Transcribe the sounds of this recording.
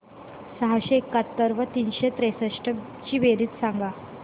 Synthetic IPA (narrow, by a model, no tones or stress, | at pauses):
səɦaɕeːkːat̪ːəɾʋət̪iːnɕet̪ɾesəʂʈə | t͡ɕiːʋeɾiːt̪saŋɡa